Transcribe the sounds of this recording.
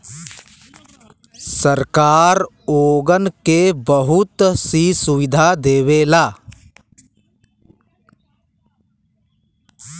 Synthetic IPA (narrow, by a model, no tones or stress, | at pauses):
səɾkaːɾ | oːɡənkebəɦʊt̪sisʊʋɪd̪ʱad̪eːweːlaː